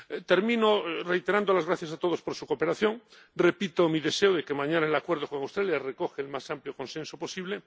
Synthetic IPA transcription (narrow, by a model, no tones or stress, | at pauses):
t̪e̞ɾmĩnore̞jt̪eɾand̪olazɣ̞ɾaθjasat̪o̞ðospoɾsuko̞pe̞ɾaθjo̞ŋ | repit̪omiðe̞seoðekemãɲanaelakweɾðokoŋawst̪ɾaljareko̞xeːlmasampljoko̞nsẽnsopo̞siβle